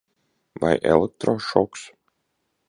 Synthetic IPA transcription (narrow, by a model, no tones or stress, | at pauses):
va̰jʔɛ̰lˠɛk̚t̪ɾoʃɔks